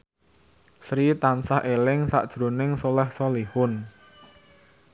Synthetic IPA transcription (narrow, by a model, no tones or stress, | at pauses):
sɾit̪ansahʔelɪŋsa̰ʔd̥ʒ̥ɾo̤nɪŋsolɛhsɔlihʊn